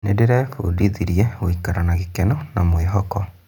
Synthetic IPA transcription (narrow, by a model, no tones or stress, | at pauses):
nedeɾɛfṵdiðiɾiɛɣoikaɾanaɣikɛnɔnamweɦɔkɔ